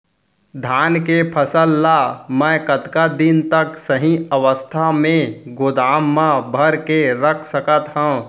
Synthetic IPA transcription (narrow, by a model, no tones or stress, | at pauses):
d̪ʱaːnkepʰəsəlːamɛ̃kət̪kad̪int̪əksəɦĩəʋəst̪ʰamẽɡod̪aːmːãbʱəɾkeɾəkʰsəkət̪ɦə̃